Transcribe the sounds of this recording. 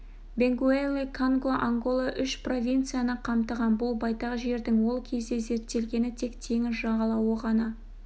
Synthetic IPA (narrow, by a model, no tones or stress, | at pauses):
be̞ŋɡuelʲːikʰoŋɡoʔaŋɡo̞lˠaʔʏʃpro̞vʲijnt̪sɨjanəqʰɑmt̪əʁɑnbʊlˠbɑjt̪ɑʁʒe̞ɾd̪ɪŋwo̞lˠkʲʰe̞zd̪e̞ze̞ɾt̪ːe̞lɡʲe̞nɪt̪ʰe̞kt̪ʰe̞ŋɪzʒɑʁɑlˠɑwəʁɑnɑ